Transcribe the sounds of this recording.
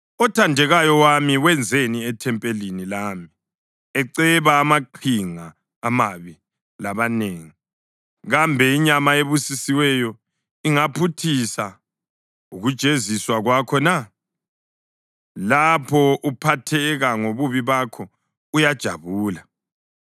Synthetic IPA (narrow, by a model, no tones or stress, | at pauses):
ɔtʰandʱɛɣajɔwamiwɛnd͡zʱeniɛtʰɛmpʼelinilami | ɛǀɛβaːmaǃʰiŋaː | maβi | laβaneːŋi | ɣambʱɛiɲamaeβusisiwɛjɔ | iŋapʰutʰisa | uɣud̥ʒ̥ʱeziswaɣwakʰɔna | lapʰɔʔupʰatʰɛɣaŋoβuβiβakʰɔ | ujad̥ʒ̥ʱa̰βuːla